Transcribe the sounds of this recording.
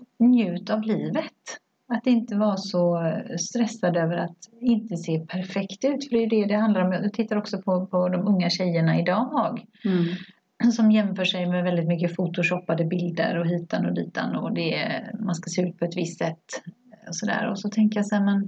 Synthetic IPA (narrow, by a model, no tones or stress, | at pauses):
njʉ̟ːt̪avliːvət̪ | at̪ːɪnt̪əvaɾsɔst̪ɾɛsːad̪øːvəɾat̪ɪnt̪əseːpʰæɾfɛkt̪ʉ̟ːt̪fœɖɛjɵd̪ɛd̪ɛhand̪laɾɔmjajɑt̪ʰɪt̪ːaɾɔksɔpʰɔpʰɔd̪ɔmɵŋːaɕɛjəɳaɪd̪ɑːmɑːɡ | sɔmjɛmfœːʂɛjmɛvɛld̪ɪt̪mʏk̬ːəfut̪ʊʂɔpːad̪əbɪld̪ə̰ɾɔɦiːt̪anɔd̪ḭːt̪a̰nɔd̪ɛmanskaseːʉ̟ːt̪̚pʰɔɛt̪vɪst̪sɛt̪ː | ɔsɔd̪æ̰ːɾɔsɔt̪ʰɛŋkəjasɛmɛn